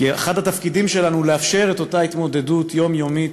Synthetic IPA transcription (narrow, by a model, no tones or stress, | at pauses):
aχad̪hatafkidimʃe̞lanule̞afʃe̞ʁe̞t̪o̞tait̪mo̞d̪e̞dut̪ʰjo̞mjo̞mit